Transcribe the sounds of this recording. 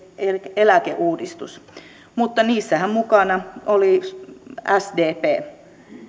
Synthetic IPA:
eelækḛʔuːdist̪ṵs | mut̪ːɑniːsːæhæmmukɑnɑoli | æsdeːpeː

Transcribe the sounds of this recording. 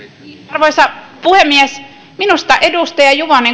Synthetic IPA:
irʋoisɑpuhemːiæs | minust̪ɑʔedust̪ɑjɑjuʋɑneŋ

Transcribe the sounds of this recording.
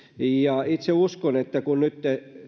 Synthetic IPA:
jɑit̪seuskonet̪ːækunnyt̪ːe

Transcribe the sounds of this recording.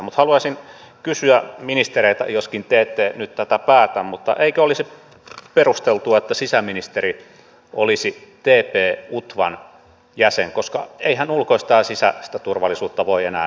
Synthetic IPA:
mut̪hɑluɑsin | kysyæminist̪ereit̪æ̰joskint̪eːt̪ːeːnyt̪t̪æt̪æpæːt̪æmmut̪ːɑ̰ʔeikøolisi | perust̪elt̪uɑet̪ːæsisæminist̪eri | ʔolisit̪eːpeːut̪ʋɑ̰n | jæseŋkoskɑ̰eihænulkoist̪ɑːsisæsi̥t̪æt̪urʋɑlːˑisuːt̪ːɑʋoienæ̰ː

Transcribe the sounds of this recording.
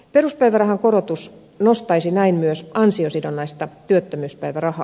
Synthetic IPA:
peruspæiʋærɑhɑŋkoɾot̪us | nost̪ɑisinæinmyøsɑnsiosidonːɑist̪ɑt̪yøt̪ːømyːspæiʋærɑhɑ

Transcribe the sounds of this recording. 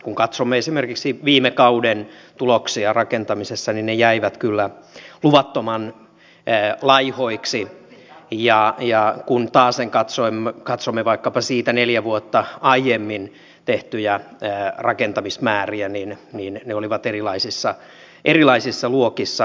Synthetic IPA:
kuŋkɑt̪somːeesimerkiksiʋiːmekɑuden | t̪uloksiɑrɑkent̪ɑmisesːɑninnejæiʋæt̪kylːæluʋɑt̪ːomɑnː | lɑihoiksi | jɑjɑkunt̪ɑːseŋkɑt̪soimːkɑt̪somːeʋɑikːɑpɑsiːt̪æneljæʋuot̪ːɑɑijemːin | t̪eht̪yjæːrɑkent̪ɑmismæːriæninninneoliʋɑt̪erilɑisisːɑ | ʔerilɑisisːɑluokisːɑ

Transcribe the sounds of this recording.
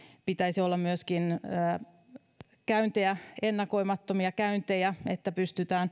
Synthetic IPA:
pit̪æisiolːɑmmyøskinəː | kæynt̪eæenːɑko̞imɑt̪ːomiɑkæynt̪ejæet̪ːæpyst̪yt̪æːn

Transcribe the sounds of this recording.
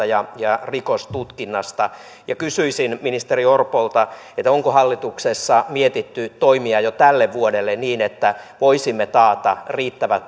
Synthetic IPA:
ɑjɑjɑrikost̪ut̪kinːɑst̪ɑ | jɑkysyisinminist̪eriorpolt̪ɑ | et̪oŋkohɑlːit̪uksesːɑmiet̪it̪ːyt̪oimiɑjot̪ælːeʋʋuodelːenniːnet̪ːæʋoisimːet̪ɑːt̪ɑriːt̪ːæʋæ

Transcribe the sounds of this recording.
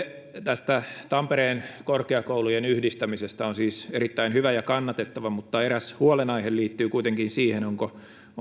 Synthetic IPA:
t̪æst̪æt̪ɑmpeɾeːnkorkeɑkoulujenyhdist̪æmisest̪æonsiːserit̪ːæinhyʋæjɑkɑnːɑt̪et̪ːɑʋɑmut̪ːɑeɾæshuolenɑihelliːt̪ːyːkuit̪eŋkinsiːhenoŋko

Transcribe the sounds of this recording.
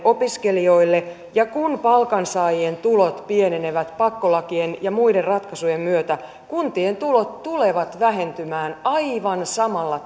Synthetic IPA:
ʔopiskelio̞ilːe | jɑkunpɑlkɑnsɑːjient̪ulot̪pieneneʋæt̪pɑkːolɑkienjɑmuiderrɑt̪kɑsujemmyøt̪æ | kunt̪ient̪ulot̪t̪ule̞ʋɑt̪ʋæɦe̞nt̪ymæːnɑiʋɑnsɑmɑlːɑ

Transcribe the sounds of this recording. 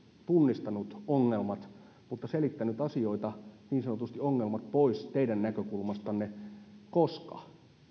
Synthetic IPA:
t̪unːist̪ɑnut̪oŋːelmɑt̪ | mut̪ːɑselit̪ːænyt̪ɑsio̞it̪ɑniːnsɑnot̪ust̪ioŋːelmɑt̪poist̪eidænnækøkulmɑst̪ɑnːekoskɑ̰

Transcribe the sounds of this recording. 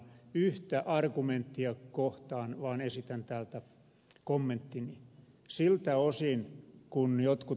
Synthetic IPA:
yht̪æʔɑrkument̪ːiɑkoht̪ɑːnʋɑːnesit̪ænt̪æːlt̪æ | komːent̪ːini | silt̪æosinkunjot̪ku

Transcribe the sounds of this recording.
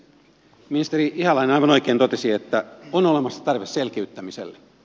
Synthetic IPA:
minist̪eriihɑlɑinenɑjʋɑnojkeːnt̪ot̪esiet̪ːæonolemɑsːɑ̥t̪ɑrʋesselkeyt̪ːæmisḛlːe

